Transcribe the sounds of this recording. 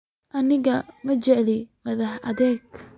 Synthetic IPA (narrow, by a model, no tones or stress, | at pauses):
ʔɐnɪɣɐmɐt͡ʃɛʕlɪmɐðɐħʔɐ̰ðɛːɡ